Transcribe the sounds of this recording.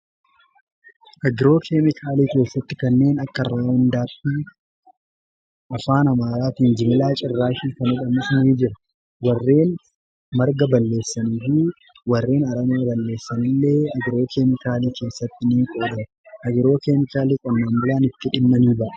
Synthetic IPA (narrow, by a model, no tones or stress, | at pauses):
ʔɐɡɪɾo̞ːkʰeːmɪkʰaːliːke̞ːsːɐt̪ːɪkɐnːe̞ːnɐkːɐrːaːhʊnd̪aːt̪ːi | ʔɐfaːnɐmaːɾaːt̪iːnd͡ʒɪmɪlaːt͡ʃʼɪrːaːʃiːkɐnɔᶑɐmɪsniːd͡ʒɪɾɐ | wɐrːe̞ːn | mɐɾɡɐbɐlːe̞ːsːɐniːfi | wɐrːe̞ːnɐɾɐmaːbɐlːe̞ːsːɐnɪlːe̞ːɐɡɪɾo̞ːkʰeːmɪkaːliːke̞ːsːɐt̪ːɪniːkʼoːᶑɐm | ʔɐɡɪɾo̞ːkeːmɪkaːliːkʼɔnːaːmbʊlaːnɪt̪ːɪᶑɪmːɐniːbɐʔɐ̥